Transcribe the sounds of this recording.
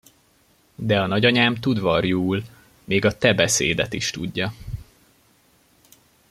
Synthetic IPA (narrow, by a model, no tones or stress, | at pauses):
d̪ɛɒnɒɟɒɲaːmt̪ud̪vɒrjuːl | meːɡɒt̪ɛbɛsḛːd̪ɛt̪iʃt̪ṵɟːɒ